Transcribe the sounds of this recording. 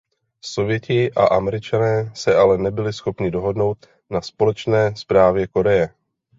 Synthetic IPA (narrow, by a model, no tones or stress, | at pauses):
so̞vjɛcɪʔa̰ʔamɛɾɪt͡ʃanɛːsɛʔalɛnɛbɪlɪsxo̞pɲɪdo̞ɦo̞dno̞wt̪ | naspo̞lɛt͡ʃnɛːspɾaːvjɛko̞ɾɛjɛ